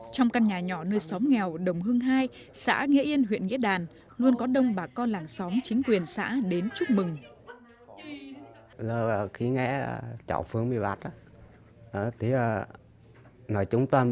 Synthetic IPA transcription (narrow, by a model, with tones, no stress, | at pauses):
t͡ɕɔ˧wŋ͡mka˧nɲaː˨˩ɲɔ˧˩nəː˧jsɔ˨˦mŋɛ˨˩wɗə˨˩wŋ͡mɦɨ˧əŋɦaː˧j | sa̰ː˧˥ŋḭ˧˥əʔi˧ənɦwḭ˧˨nŋḭ˧˥ɗaː˨˩n | lu˧ənkɔ˨˦ɗə˧wŋ͡mɓaː˨˩kɔ˧nlaː˨˩ŋsɔ˨˦mt͡ɕï˨˦ŋ̟kwi˨˩ənsa̰ː˧˥ɗe˨˦nt͡ɕu˦˥k͡p̚mɨ˨˩ŋ | ləː˨˩˨xi˨˦ŋɛ̰˧˥ə˧t͡ɕɔ̰˧˨˩wfɨ˧əŋmi˧˩va̰˨˩t̚a˨˦ | ʔə˨˩t̪ʰi˨˩ə˨˩ | nɔ˨˩jt͡ɕʊ˨˦ŋ͡mt̪aː˧